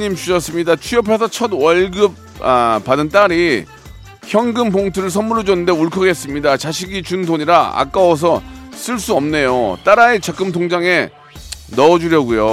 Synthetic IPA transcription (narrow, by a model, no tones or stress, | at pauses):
ɲimt͡ɕʰuɕʌs͈ɯmɲidat͡ɕʰujʌp̬ʰe̞s̬ʰʌt͡ɕʰʌdwʌɭɡɯb̚ | apadɯnt͈aɾi | çjʌŋɡɯmpoŋtʰɯɾɯɭs̬ʰʌmːuɾʌd͡ʑʌnːɯnde̞uɭkʰʌɡe̞s͈ɯmɲidat͡ɕaɕʰiɡit͡ɕundoɲiɾaa̰k͈awʌs̬ʰʌs͈ɯɭs͈uʌmne̞jot͈aɾaet͡ɕak͈ɯmt̬ʰoŋd͡ʑaŋe̞ | nʌːd͡ʑuɾjʌɡujo